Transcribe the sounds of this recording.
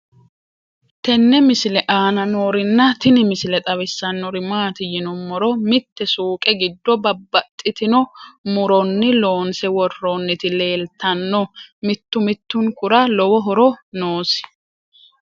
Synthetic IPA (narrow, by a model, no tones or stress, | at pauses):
t̪ɛnːɛmɪsɪlɛʔaːnɐnoːɾɪnːɐt̪ɪnɪmɪsɪlɛt̪ʼɐβɛsːɐnːɔɾɪmaːt̪ɪjɪnʊmːɔɾɔmɪt̪ːɛsuːkʼɛɡɪd̪ːɔbɐbːɐt̪ʼːɪt̪ɪnɔmʊɾɔnːɪlo̞ːnsɛwɔrːɔnːɪt̪ɪle̞ːlt̪ːɐnːɔmɪt̪ːʊmɪt̪ːʊŋkʊɾalɔwɔɦɔɾɔnoːsɪ̥